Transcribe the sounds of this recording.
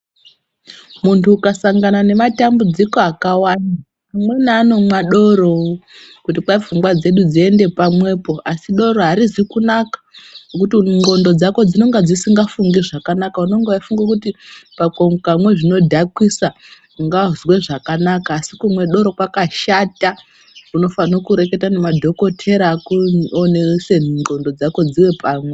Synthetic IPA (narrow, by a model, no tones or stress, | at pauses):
muntʰuːkasaŋɡanane̞matambud͡ziko̞akawana | amwe̞naːno̞mwaɗo̞ɾo̞ | kutipaib͡vuŋɡwad͡ze̞ɗud͡zie̞nde̞pamwe̞po̞ʔasiɗo̞ɾo̞ɦaɾizikunakḁnokutiŋɡo̞ndo̞d͡zako̞d͡zino̞ŋɡad͡zisiŋɡafuŋɡiʐakanakauno̞ŋɡeaifuŋɡakutipakoŋkamwe̞ʐino̞dʱakwisa | ŋɡazwe̞ʐakanakaːsikumwe̞ɗo̞ɾo̞kwakaʃata | uno̞fanokuɾe̞ke̞tanemadʱo̞ko̞tʰe̞ɾaːkuoneseŋɡo̞ndo̞d͡zako̞d͡ziwe̞paːmwe